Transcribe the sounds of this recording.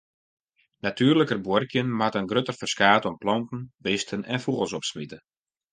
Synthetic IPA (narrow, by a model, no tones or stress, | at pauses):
natyːrləkərbworkjənmatənɡrøtərfərskaːtɔmplɔmtən̩bɪstʰənɛ̰nfuɣəlˠsɔpsmitə